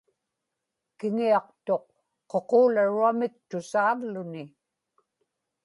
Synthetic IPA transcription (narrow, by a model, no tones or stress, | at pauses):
kɪŋiɑq̚t̪o̞q̚ː | o̞qoːlaɻuamɪk̚t̪ʊsaːvlʊnɪ